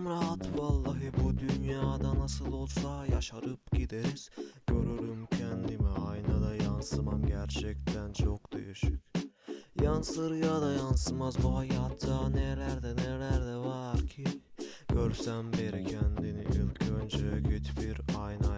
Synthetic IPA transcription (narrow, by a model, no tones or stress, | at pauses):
mɾaɦat̪valˠːaɦɯbud̪ynjaːd̪anasɯlˠo̞lˠsaja̰ʃaɾɯp̚ɟid̪eɾiz̥ɟ̥ø̞ɾyɾymcʰɛnd̪imɛajnad̪ajansɯmanɟæɾt͡ʃʰɛc̚t̪ʰænt͡ʃʰokd̪̥ḛjiʃɯcʲ | jansɯɾɯjad̪ajansɯmazbuɦajat̪ːanɛlæɾd̪ɛnɛlæɾd̪ɛvaɾcʰiɟ̥øɾsæmbeɾicʰɛnd̪iniʔilʲcʰønd͡ʒøjɛɟet̪ʰfiɾajna